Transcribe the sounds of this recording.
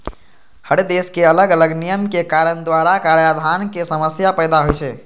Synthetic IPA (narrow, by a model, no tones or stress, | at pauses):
həɽd̪eskeələɡələɡnijəmkekaɾənd̪waɾakaɾjad̪ʱankesəməsjapəɪd̪aɦojt͡ʃʰɛ